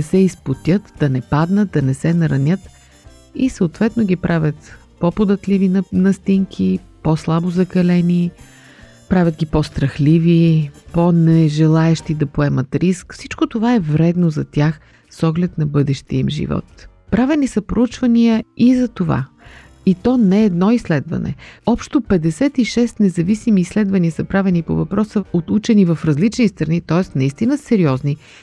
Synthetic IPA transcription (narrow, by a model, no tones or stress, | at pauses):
ɛsɛispot̪ʲət̪d̪̥ɐnɛpad̪nət̪̚d̪ɐnɛsɛnɐɾɐnʲət̪ | isəot̪vɛt̪noɡʲipɾʔavʲjət̪ | popod̪ət̪livinnɐst̪iŋkʰiposlˠabozɐkɐlɛni | pɾavʲjət̪ɡʲipɔst̪ɾɐxliviponɛʒɛlˠaɛʃt̪id̪ɐpoɛmət̪ɾiskfsit͡ʃkot̪ovaɛvɾɛd̪nozɐt̪ʲjax | sɔɡlɛt̪nɐbɤd̪ɛʃt̪iəimʒḭvɔ̰t̪ | pɾavɛnisəpɾout͡ʃvɐnijəizɐt̪ova̰ | it̪ɔnɛːd̪nɔislɛd̪vɐ̰nɛ̰ɔpʃt̪opɛd̪ɛsɛt̪iʃɛst̪nɛzɐvisimiːslɛd̪vɐniəsɐpɾavɛnipo̰vɐpɾɔsəot̪ut͡ʃɛnivɐfɾɐzlit͡ʃnist̪ɾɐnit̪ɔɛst̪nɐist̪inəsɛɾiɔzni